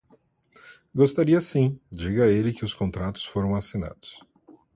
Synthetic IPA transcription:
ɡost̪aɾiɐsĩd͡ʒiɡɐelɪkɪʊskõnt̪ɾat̪ʊ̥sfoɾɐ̃w̃asina̰d̪ʊs

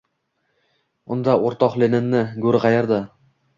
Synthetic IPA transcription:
ʊnd̪aʔoɾt̪ɒqlenɪnːɪɡɵɾɪʁɑjaɾd̪a

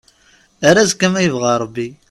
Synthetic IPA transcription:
æɾæzkæmæjəvʁaɾˤəbːi

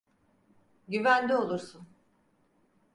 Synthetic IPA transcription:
ɟyvænd̪ʲio̞lˠuɾsun

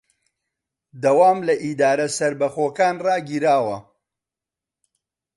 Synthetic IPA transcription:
d̪ɐwaːmlɐʔid̪aːɾɐsɐɾbɐxoːkaːnraːɡiːɾaːwɐ

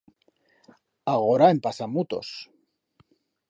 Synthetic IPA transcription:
aɣoɾaempasamut̪o̞̰s

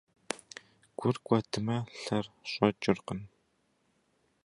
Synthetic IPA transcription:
ɡ̥ʷʊrɡʷɐtʰɨmɐɬɐrɕʼɐt͡ʃʼɪrqən

